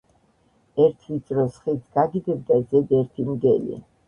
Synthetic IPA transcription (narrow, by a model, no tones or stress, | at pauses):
ɛɾt̪ʰit̪sʼɾɔsχit̪ʰɡ̥aɡid̪ɛb̚d̪azɛd̪ɛɾt̪ʰimd̪ɛlḭ